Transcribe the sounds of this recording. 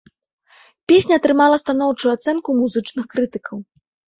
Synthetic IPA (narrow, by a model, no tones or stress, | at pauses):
pʲesʲnʲɐːt̪ɾɨmalˠɐst̪anɔwt͡ʂujuat̪sɛnkumuzɨt͡ʂnɨxkɾɨt̪ɨkʰɐw